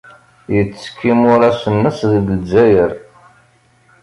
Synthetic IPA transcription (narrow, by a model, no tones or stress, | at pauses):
jət͡sːə̥kːimʊɾæsənːəsðəɡəlzæjəɾ